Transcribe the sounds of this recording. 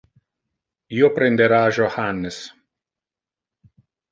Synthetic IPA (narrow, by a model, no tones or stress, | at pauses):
joːpɾʲɛnʲd̪ʲɛɾaːʒʲoxanʲːɪs